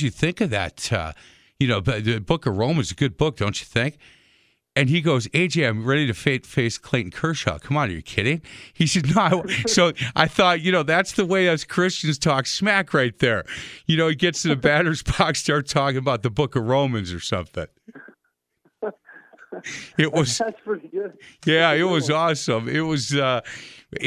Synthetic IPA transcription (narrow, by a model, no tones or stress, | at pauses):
d͡ʒɨθɪ̃ŋkʌvðæ̰tʌ̰ | jɨnoʊbʌðɨbʊkʌvɹõʊ̃mɨ̃nzɨɡʊd̚bʊk̚d̥õʊ̃nt͡ʃɨ̥θɪ̃ŋk | ɨ̃niɡoʊzeɪd͡ʒeɪãɪ̃mɹɛɾiɾɨfeɪfeɪskʰl̥ẽɪʔn̩kʰɜ˞ʃɑ̰kʰʌ̃mə̃nɨjə̰˞kʰɪɾɪ̃ŋhisɛdⁿnoʊaɪwsoʊʔaɪθɔt̚jɨnoʊðætsðəweɪðɨtskʰɹ̥ɪst͡ʃɨ̃nz̥tʰɔksmækʰɹaɪt̪̚ðə˞jɨnoʊiɡɛtsɨ̃nɨbæɾə˞z̥pʰɑkstɑɹtʰɔkɪ̃ŋəbaʊt̪̚ðəbʊkʌvɹõʊ̃mɨ̃nzə˞sʌ̰̃mθɪ̰̃ŋ | ɪt̚wʌz | jæɪt̚wʌzɔsə̃mɪt̚wʌzʌ